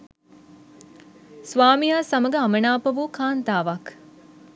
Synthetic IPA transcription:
sʋaːmijaːsɐmɐɡɐɐmɐnaːpɐʋukʰaːnt̪aːʋɐk

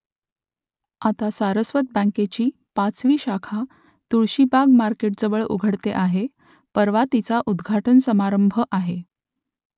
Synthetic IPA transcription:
at̪asaɾəsʋət̪̚bə̃ŋket͡ɕiː | pat͡sʋiːɕakʰa | t̪uɭɕibaɡmaɾkeʈ̚d͡zəʋəɭṵɡʱəɽt̪eʔaɦe | pəɾʋat̪it͡saʔud̪ɡʱaʈənsəmaɾəmbʱəʔaɦe

